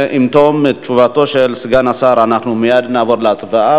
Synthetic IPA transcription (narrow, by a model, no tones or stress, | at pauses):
ʔimt̪omett͡ʃuvat̪o̞ʃelsɡanasaɾanaχnumijad̪naːvo̞ɾleat͡svaa